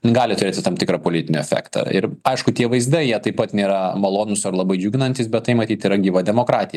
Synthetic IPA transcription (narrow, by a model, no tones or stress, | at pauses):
nʲɡɑːlʲɪt̪ʊɾʲeːt̪ʲɪt̪ɐmt̪ʲɪkɾɑpoːlʲɪtʲɪnʲɪɛfʲæ̰ːkt̪ɐ̰ɪɾɐɪʃkʊt̪ʲiɛʋɐɪzd̪ɐɪjiɛt̪ɐɪpɐt̪nʲeːɾɐmɐlˠoːnʊsɐɾlˠɐbɐɪd͡ʒʲuːɡʲɪnɐnʲt̪ʲɪsbʲɛt̪t̪ːɐɪmɐt̪ʲiːt̪ɪɾɐɡʲiːʋɐd̪ʲɛmoːkɾɑːt̪ʲɪjɛ